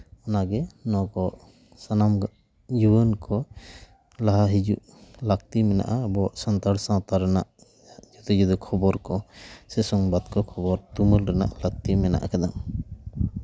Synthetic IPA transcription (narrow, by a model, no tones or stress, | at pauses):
ɔnaɡɛnɔ̃kɔ | sanamɡ | juwənkɔ | laɦaɦid͡ʒuʔ | lak̚t̪imɛna̰ʔabɔsant̪aɽsãwt̪aɾɛnaʔ | d͡ʒut̪ɛd͡ʒud̪ɔkʰɔbɔɾkɔsɛsɔŋbat̪kɔkʰɔbɔɾt̪umulɾɛna̰ʔlak̚t̪imɛna̰ʔa̰kad̪am